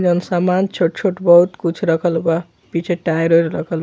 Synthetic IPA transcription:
d͡ʒʌnsamant͡ʃʰoʈt͡ʃʰoʈbʌɦut̪kut͡ʃʰɾʌkʰʌlba | pit͡ʃʰeʈajɾoɾɾʌkʰʌl

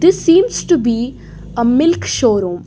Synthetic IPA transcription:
d̪ɪsːĩːmsʈubi | əmɪlkʃoːɾũːm

